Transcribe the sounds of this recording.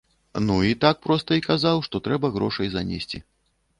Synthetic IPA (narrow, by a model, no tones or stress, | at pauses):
nuit̪ak̚pɾɔst̪ɐikazawʂt̪ɔt̪ɾɛbɐɣɾɔʂɐjzanʲḛsʲt͡sʲḭ